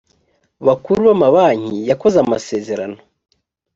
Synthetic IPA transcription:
βakuɾuβamaβaːɲijako̞zamase̞ːze̞ɾa̰no

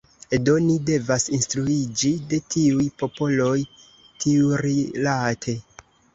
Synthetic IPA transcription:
edo̞nide̞vasinstɾuid͡ʒide̞tʰiujpo̞po̞lo̞j | tiuɾilatʰe̞

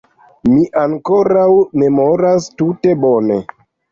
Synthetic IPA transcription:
miʔaŋko̞ɾawme̞mo̞ɾastute̞bo̞ne̞̰

